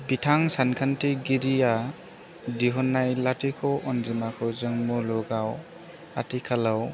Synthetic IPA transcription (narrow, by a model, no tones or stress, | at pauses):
bitʰaŋsankʰantiɡiɾia | diɦɔnːajlatikʰɔʔɔnzɯmakʰɔzɯŋmɔlɔɡaw | a̰tikʰalaw